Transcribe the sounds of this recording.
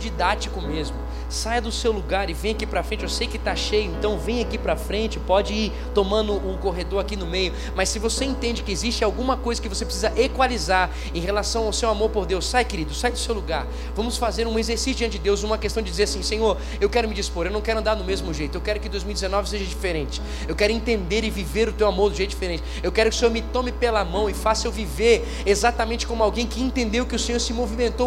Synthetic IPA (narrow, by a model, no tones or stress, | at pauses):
d͡ʒid̪at͡ʃikʊmezmʊ | sajd̪ʊsewluɡaɾɪvẽj̃akipɾɐfɾẽnt͡ʃɪewsejkɪt̪aʃejʊẽnt̪ɐ̃w̃vẽj̃akipɾɐfɾẽnt͡ʃɪpɔd͡ʒɪiɾ | t̪omɐ̃nd̪ʊʊkoɦed̪oɾakinʊmejʊ | mɐsɪvoseẽnt̪ẽnd͡ʒɪkɪezist͡ʃɪawɡũmɐkojzɐkɪvosepɾɪsizɐʔekwalizaɾ | ẽɦelasɐ̃w̃awsewamoɾpoɾd̪ewsːajkeɾid̪ʊsajd̪ʊsewluɡaɾ | vɐ̃mʊsfazeɾũmɐezeɾsisjʊdd͡ʒiɐ̃nt͡ʃɪd͡ʒɪd̪ewzũmɐkest̪ɐ̃w̃d͡ʒɪd͡ʒizeɾasĩsẽɲoɾ | ewkɛɾʊmɪd͡ʒispoɾewnɐ̃w̃kɛɾʊɐ̃nd̪aɾd̪ʊmezmʊʒejt̪ʊewkɛɾʊkɪd̪ojzmiwd͡ʒ̪ɪzenɔvɪseʒɐd͡ʒifeɾẽt͡ʃɪ̥ | ewkɛɾʊẽnt̪ẽnd̪eɾɪviveɾʊt̪ewamoɾd̪ʊʒejt̪ʊ̥d͡ʒifeɾẽnt͡ʃɪewkɛɾʊkɪʊsẽɲoɾmɪt̪ɔ̃mɪpelɐmɐ̃w̃ɪfasewviveɾ | ezat̪ɐmẽnt͡ʃɪkõmʊawɡẽj̃kɪẽnt̪ẽnd̪ewkɪʊsẽɲoɾsɪmovimẽnt̪o